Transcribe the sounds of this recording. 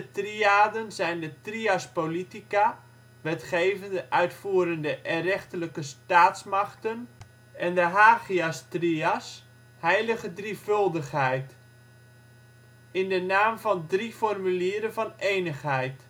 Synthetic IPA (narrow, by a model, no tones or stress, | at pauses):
dətriaːdənzɛjndətriaspolitika | ʋɛtχejvəndəʔœɥtfuːɾəndəʔɛrɛχtələkəstaːtsmaχtən | ɛndəɦaːχiastrias | hɛjləɣədrifɵlˠdəχhɛjt | ɪndənaːmvɑndrifɔrmyliːəɾənvɑnejnəχhɛjt